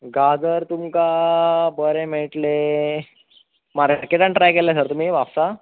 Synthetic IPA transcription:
ɡad͡zəɾt̪umkabəɾemeɭʈle | maɾɾkeʈaɳʈɾajkelas̬əɾt̪um̤iːʋapsa

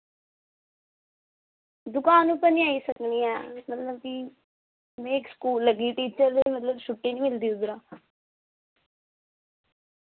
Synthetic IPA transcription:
d̪ʊkaːnũːpənĩaːisəkniːɛːmət̪ləb̚ki | mɛ̃ːɪkskuːlːəɡiːʈiːt͡ʃəɾd̪eimət̪ləbʃʊʈːeːnĩːmɪld̪iːʊɡɾãː

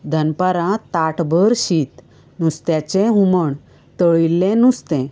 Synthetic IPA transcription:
d̪ʱənpəɾãt̪aʈbəɾɕiːt̪ | nust̪jat͡ɕɛ̃ɦuməɳ | t̪əɭilːɛ̃nust̪ɛ̃

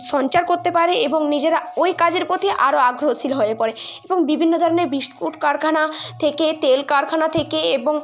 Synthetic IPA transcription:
ʃɔnt͡ɕaɾkoɾt̪epaɾeeboŋnid͡ʑeɾaojkad͡ʑeɾpot̪ʰiʔaɾoaɡɾoosilɦoepɔɾeeboŋbibʱinːod̪ʱɔɾoneɾbisʈkuʈkaɾkʰanat̪ʰeket̪elkaɾkʰanat̪ʰekeeboŋ

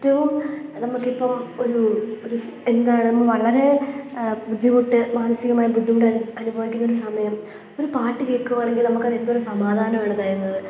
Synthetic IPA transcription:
tːɐʋumnɐmːuɭkːipːɐmo̞ɾuoɾu | e̞nd̪aːjɳɨnɐmːɐɭʋɐɭɐɾe̞ | bud̪ʱːiɣuʈːɨmaːnɐsiɣɐmaːjɐbud̪ʱːiɣuʈːɐɐnubʱɐʋðikʲːinːɐoɾusɐmɐjɐm | o̞ɾupaːʈːɨʋiːrkːuʋaːɳe̞ŋɡilnɐmukːɐðend̪ɐoɾusɐmaːd̪ʱaːnɐmeɳɐðaːjɾunːɐðɨ

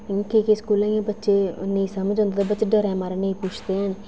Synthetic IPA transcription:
kekeskuːlããːbətːʃeːnəĩːsəməd͡ʒɔ̃nd̪at̪ebətːʃeɖəɾɛ̃ːmaːɾenəĩːpuːt͡ʃʰd̪eːɦən

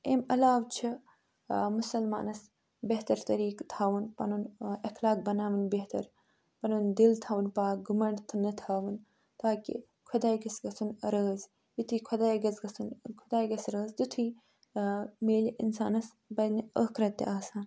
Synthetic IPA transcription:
emɐlaːwt͡ʃʰi | musɐlma̰ːnɐs | beht̪ɐɾt̪ɐɾiːkt̪ʰaːʋunpɐ̰nunɐxlaːk̚bɐnaːʋɨnbet̪ɐ̰ɾ | pɐnund̪ilt̪ʰaːʋunpaːk̚ɡumɐɳɖt̪ʰɨnɐt̪ʰaːʋɨn | t̪aːkḭ | kʰʊd̪aːjɡɐsɡɐsunɐɾəːz | jit̪ʰikʰɐd̪aːjɡɐzɡɐsunkʰʊd̪aːjɡɐsɾəːzd̪ut̪ʰuj | meːliʔinsa̰ːnɐs | bɐjd̪niəkɾɐt̪ːḛʔaːsaːn

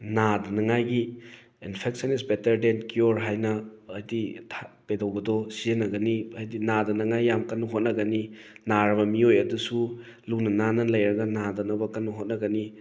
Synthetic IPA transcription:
nadɐnɐŋajɡi | inpʰek̚sʰɐnis̬betɐɾdenkioɾɦajnɐːjditʰapedɐwbɐdɔsienɐɡɐniajdinadɐnɐŋajːamkɐnɐɦot̚nɐɡɐninaɾɐbɐmiojɐdusu | lunɐnanɐlɐjɾɐɡɐnadɐnɐbɐkɐnːɐɦot̚nɐɡɐni

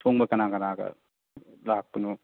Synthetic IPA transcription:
sʰoŋbɐkɐnakɐnaɡɐ̰ | lak̚pɯnu

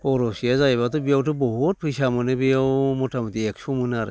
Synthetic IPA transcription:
ɔɾosiazajβatɔbijawtɯbɔɦut̚pʰɯjsamɯnɯbijawmɔtʰamɯt̪iek̚sumɯnaɾ̰

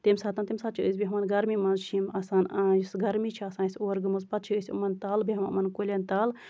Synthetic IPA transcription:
t̪imsaːt̪ɐnt̪imsaːt̪̚t͡ʃʰiəsʲbiɦɐmɐnɡɐɾmimɐnzt͡ʃʰimɐsaːnajisɡɐɾmit͡ʃʰiɐsaːnisʲoːɾɡɨmuzpɐt̪̚t͡ʃʰiəsʲṵmɐnt̪aːlbiɦɐmṵmɐnkolʲɐnt̪aːl

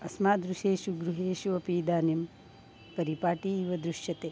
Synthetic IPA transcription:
ɐsmaːd̪ɾuʃeːʃuɡɾuɦeːʃuɐpiːd̪aːnim | pɐɾipaːʈiːʋɐd̪ɾuʃjɐt̪eː

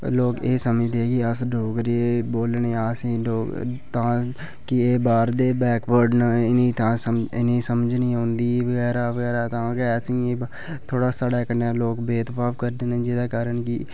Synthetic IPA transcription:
loːkeːsəməd̪eːkiasɖoːkɾieboːlnẽːaːsioːt̪ãː | kieːbaːɾd̪eːbɛːkʋəɾɖnaɪnĩt̪ãːsəɪ̰nĩːsəməd͡ʒnĩːɦõːnd̪iːʋəɡɛːɾaːʋəɡɛːɾaːt̪ãːkɛːsie | t̪ʰoːɽaːsaːɽaːkəneːloːkbeːt̪paːpkəɾd̪eːnẽːd͡ʒɪd̪eːkaːɾəɳki

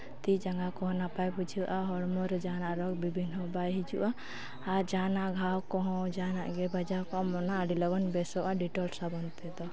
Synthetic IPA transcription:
t̪id͡ʒaŋɡakɔɦɔ̃napajpud͡ʒʰiwʔaɦɔɽmɔɾd͡ʒanaʔɾɔk̚bibʱinɔbajɦid͡ʒuʔaː | ɾd͡ʒanaʔɡʱawkɔɦɔ̃d͡ʒana̰ʔɡɛbad͡ʒakɔmɔnaʔɖilɔɡɔnbɛsɔʔaɖiʈɔlsabɔnt̪ɛd̪ɔ

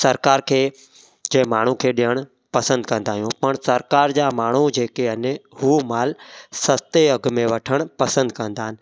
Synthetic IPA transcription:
sɐɾkaːɾkʰeː | d͡ʑɐ̃ɦɪ̃maːɳ̤ũkʰeːɗijəɽ̃ʊ | pɐsə̃nd̪kɐ̃nd̪aːɦijũpɐɽ̃sɐɾkaːɾd͡ʑaːmaːɳ̤ud͡ʑeːkeɐnhuːmaːlsɐst̪eɐɡmẽʋɐʈʰəɽ̃pɐsə̃nd̪kɐ̃nd̪aːɦɪnɪ̆

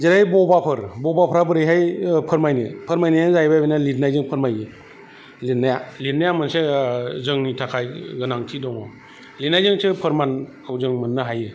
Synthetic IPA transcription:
zeɾajbɔbapʰɯɾbɔbapʰɾabɯɾɯjɦajpʰɯɾmajnɯpʰɯɾmajnajnzajbajbinalitnajzɯŋpʰɯɾmajɯ | litnajalitnajamɯnsezɯŋnitʰakʰajɡɯnaŋtʰidɔŋɔ | litnajzɯŋsɯpʰɯɾmankʰawzɯŋmɯnːɯɦajɯ

